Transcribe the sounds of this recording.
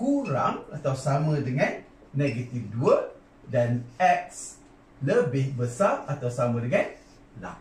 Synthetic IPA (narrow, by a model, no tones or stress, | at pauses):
kuɾaŋat̪awsamə̃dəŋãnː | eɡat̪ifduə | danɛk̚s | ləbɪhbəsarat̪awsamə̃dəŋãn | la̰